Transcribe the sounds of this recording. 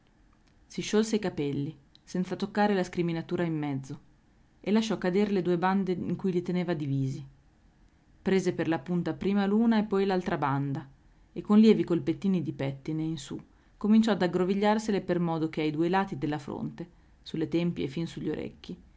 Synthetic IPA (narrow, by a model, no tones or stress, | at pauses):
siʃːolseikapɛlːisɛnt̪sat̪okːaːɾelaskɾiminat̪uːɾaimːɛd̪zːo | elːaʃːɔkːad̪eːɾeled̪uːeband̪eḭŋkujlit̪eneːvad̪iviːzi | pɾeːzeperlapunt̪apɾiːmaluːnaepːɔjlalt̪ɾaband̪a | ekːonljɛːvikolpet̪ːiːnid̪ipɛt̪ːineinsṵ | komint͡ʃɔad̪aɡɾoviʎːarselepermɔːd̪ok̟eajd̪uelaːt̪id̪elːafɾo̰nt̪e | sulːet̪ɛmpiḛfinsuʎːoɾḛkːi